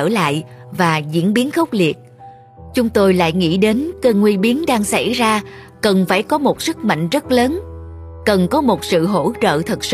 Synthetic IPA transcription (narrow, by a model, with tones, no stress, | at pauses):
əː˧˩la̰ː˧˨jvaː˨˩zḭ˧˥ənɓi˨˦ənxə˦˥wk͡p̚li˨˩ət̚ | t͡ɕʊ˨˦ŋ͡mt̪o˧jla̰ː˧˨jŋḭ˧˥ɗe˨˦nkəː˧ŋwi˧ɓi˨˦ənɗaː˧ŋsa˧˩jzaː˧kə˨˩nfaː˧˩jkɔ˨˦mo˨˩t̚sɨ˦˥k̚ma̰˧˨ŋ̟zə˦˥t̚ləː˨˦n | kə˨˩nkɔ˨˦mo˨˩t̚sɨ̰˧˨ɦo̰˧˥t͡ɕə̰ː˧˨t̪ʰə˨˩t̚s